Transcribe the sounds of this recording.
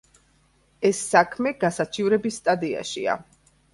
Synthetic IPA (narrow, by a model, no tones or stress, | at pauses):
ɛsːakʰmɛɡ̥asat͡ʃʰivɾɛbisːt̪ʼad̪ia̰ʃḭa̰